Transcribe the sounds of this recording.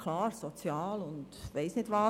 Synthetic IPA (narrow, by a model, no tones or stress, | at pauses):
kʰlɑːɾsɔt͡sjɑːlʊnd̥ʋɛɪsnɪdʋɑː